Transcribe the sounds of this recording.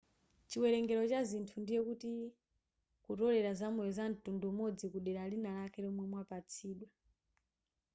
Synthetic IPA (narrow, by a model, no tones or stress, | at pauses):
t͡ʃiwɛɾɛŋɡɛɾɔt͡ʃazintʰundijɛkuti | kutɔɾɛɾazamuɛzan̩tundumɔd͡zikuɗɛɾalinalakʰɛlɔmwɛmwapat͡sʰiːɗwa